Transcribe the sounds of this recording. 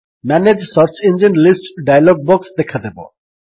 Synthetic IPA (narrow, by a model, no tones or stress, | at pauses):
mɛned͡ʑsɔɾt͡ɕind͡ʑinɖlisʈɖajaloɡ̚bɔksd̪ɛkʰad̪ebo̰